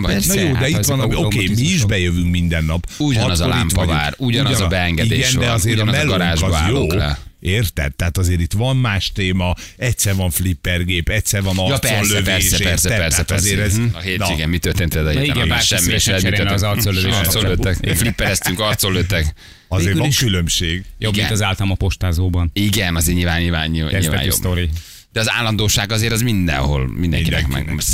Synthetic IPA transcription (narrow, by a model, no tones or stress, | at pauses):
njoːd̪ɛiʋɒnɒokemiiʒbɛjøvyŋkmind̪ɛnːɒpuɟɔnɛzolimpɔva̰ːɾuɟɔnbɛɛŋɡɛieːɡɛnd̪ɛɒzeːɾmɛlːɡɒɾaːʒɒaːjoːeːrt̪ɛ̰t̪ːɛːat̪ɒzeːɾit̪ʋɒmmaːʃt̪eːmɒɛcsɛrvɒɱflipːɛrɡeːpɛctsɛɾvɒnɒj̪ollːøveɛɛɛrɛɛtɛɾaɛtɔzeːɾɛzɦeiɡɛnmit̪ørt̪eːnt̪elɛd̪ɒeːiɡɛmaːʃɛmːiʃɛmit̪øɾezɒrt̪soløɾt̪solːøt̪ːɛkflipːɛɾɛst̪yŋkɒrt̪solːøːt̪ːɛk | ɒzeːɡylliʃylømʃeːɡjoɡint̪ɒzaːlt̪ɒmɒpo̞ʃt̪aːzoːbɒniɡɛnɒzeːɲilvaːniaɛilvɛ̰ːɲjo̰sbt̪oɾi | d̪̥ɛɒza̰ːlːɒnd̪oːʃaːɡɒzeːɾɛzmind̪ɛ̰nɦo̞̰lmind̪ɛ̰ŋkid̪ɛ̰kmɛ̰ɡ